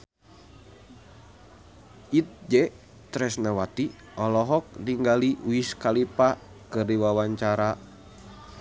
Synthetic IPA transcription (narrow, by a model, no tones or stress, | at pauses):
it̪̚d͡ʒɛ | t̪ɾɛsnawat̪i | ɔlɔɦɔk̚niŋɡaliʔuiskalipa | kɨrdiwawaɲt͡ʃaɾa